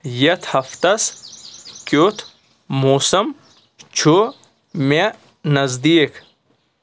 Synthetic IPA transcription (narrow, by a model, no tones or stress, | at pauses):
jɐt̪ʰhɐft̪ɐs | kot̪ʰ | moːsɐm | t͡ʃʰo | me | nɐzd̪ik